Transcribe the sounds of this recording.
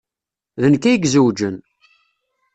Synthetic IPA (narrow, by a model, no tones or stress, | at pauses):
ðənkːæjəɡzəwd͡ʒən